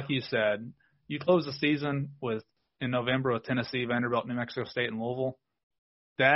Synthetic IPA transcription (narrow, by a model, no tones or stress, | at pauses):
ɪkjɨsɛd̚ | jɨkʰl̥oʊzəsizə̃nwɪð | ɨ̃nːoʊvɛ̃mbə˞ʌv̥tʰɛñɨsiɨvæ̃nə˞bɛlˠʔⁿnʉmɛksəkoʊsteɪɾn̩loʊvl̩ˠ | ðɨ